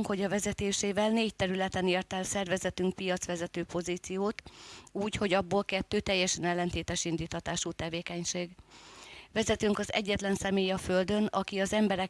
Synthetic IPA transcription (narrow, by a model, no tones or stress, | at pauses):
ŋkho̞ɟɒvɛzɛt̪eːʃeːvɛlneːc̚t̪ɛɾylɛt̪ɛneːrt̪ɛlsɛrvɛzɛt̪yŋk̚pijɒt̪sʋɛzɛt̪øːpo̞ziːt̪sijoːt̪uːcho̞ɟɒbːolkɛt̪ːøːt̪ɛjːɛʃɛnɛlːɛnt̪eːt̪ɛʃind̪iːt̪hɒt̪aːʃuːt̪ɛveːkɛɲʃeːɡ | vɛzɛt̪yŋkɒzɛ̰ɟːɛt̪lɛnsɛmeːjɒføld̪ø̞nɒkiɒzɛmbɛɾɛ